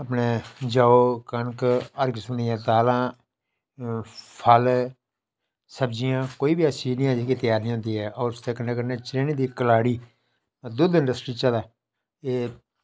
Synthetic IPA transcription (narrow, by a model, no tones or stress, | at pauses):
əpneːd͡ʒaːoːkəɳkəɾɡsʊnɪjãːt̪aːlãː | pʰəl | səbd͡ʒɪjãːkoːiːbiaːsiːnɪ̃jãːd͡ʒeːkiːt̪ɪjaːɾnĩːõːnd̪iːɦɛːɔːɾʊst̪eːkənːeːkəneːt͡ʃɾeːnid̪iːkəlaːɽiː | d̪ʊd̪ɪ̃ɳɖəsʈɾiːt͡ʃəd̪aː | eː